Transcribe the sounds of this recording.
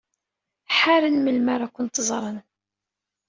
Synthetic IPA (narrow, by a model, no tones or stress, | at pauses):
ħaɾənməlmaɾakʷːʊnt̪zˤɾˤən